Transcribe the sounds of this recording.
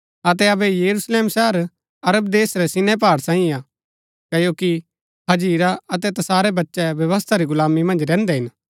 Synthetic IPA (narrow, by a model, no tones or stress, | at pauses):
ɐt̪̬ɛɐbɛjɐɾusleːmsɛɦəɾ | ɐɾəb̚d̪eːsɾɛsɪnɛp̬aːɽsãːĩaː | kɐjoːki | ɦɐd͡ʒiːɾaɐt̪̬ɛt̪ɐsaːɾɛbɐtːʃɛbjɐʋəs̬t̪ʰaɾiɡʊlaːmimɐ̃nd͡ʒɾɛ̃ːnd̪ɛɦɪn